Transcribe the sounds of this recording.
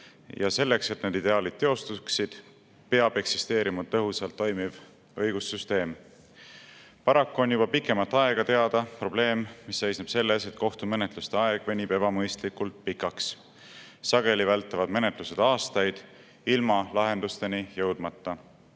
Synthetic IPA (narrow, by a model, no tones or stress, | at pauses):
jɑ̰se̞lːe̞kse̞t̪ned̪id̪e̞ɑːlid̪̥̚t̪e̞o̞st̪uksid̪̥ | pe̞ɑb̥e̞ksist̪e̞ːɾimɑt̪ːɤɦusɑlt̪ːo̞jmiv | ɤjɡ̥usːyst̪e̞ːm | pɑɾɑkːuo̞njub̥ɑpikːˑe̞mɑt̪ːˑɑe̞ɡ̥ɑt̪e̞ɑd̪̥ɑpro̞ble̞ːmmisːe̞jsneb̥se̞lːese̞t̪ko̞ht̪ume̞net̪lust̪eɑeɡ̥ve̞nʲib̥e̞bɑmɤjst̪likult̪̚pikːˑɑks | sɑɡe̞livælt̪ːˑevɑd̪me̞ne̞t̪luse̞d̪̥ɑːst̪ɑjd̪̥ | ilmɑlɑɦe̞nd̪ust̪e̞nijɤwd̪̥mɑt̪ːɑ